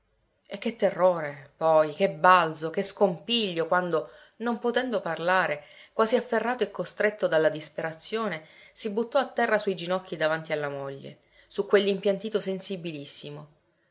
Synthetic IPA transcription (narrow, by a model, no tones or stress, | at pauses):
ek̟ːet̪ːerːoːɾepɔjk̟ebald̪zokeskompiʎːokwand̪o | nompot̪ɛnd̪oparlaːɾekwaːziafːerːaːt̪oekːost̪ɾet̪ːod̪alːad̪ispeɾat̪sːjoːnesibut̪ːɔat̪ːɛrːasuid͡ʒinɔkːid̪avant̪ialːamoʎːḛ | sukːwelːimpjant̪iːt̪osensibilisːimo